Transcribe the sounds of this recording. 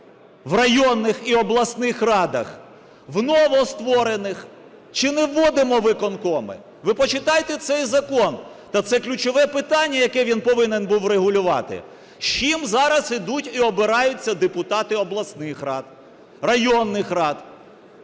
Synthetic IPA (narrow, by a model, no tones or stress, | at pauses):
ʋrɐjɔnːɪxiɔblˠɐsnɪxrɑd̪ɐ̰x | ʋnɔʋɔst̪ʋɔɾenɪx | t͡ʃɪnɛʋːɔd̪ɪmɔʋɪkɔnkɔmɪ̰ | ʋɪpɔt͡ʃɪt̪ɑjt̪ɛt̪sɛjzɐkɔn | t̪ɐt̪sɛklʲʊt͡ʃɔʋɛpɪt̪ɑnʲːɐjɐkɛʋʲinpɔʋɪnenbuwreɦʊlʲʊʋɑ̰t̪ɪ̰ | ʃt͡ʃimzɑɾɐzid̪utʲiɔbɪɾɑjʊt͡sʲːɐd̪epʊt̪ɑt̪ɪɔblˠɐsnɪxrɑd̪ | rɐjɔnːɪxrɑt̪